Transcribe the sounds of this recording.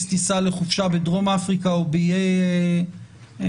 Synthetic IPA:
st̪isaleχufʃabedʁo̞mafʁikaobeije

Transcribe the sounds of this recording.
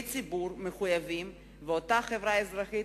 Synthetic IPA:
t͡sibuɾmeχujavim | veot̪aχevɾaezɾaχi

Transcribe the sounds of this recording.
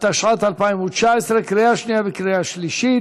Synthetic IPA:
t̪aʃʁat̪alpaimut͡ʃaesʁekʁejaʃnijavekɾejaʃliʃi

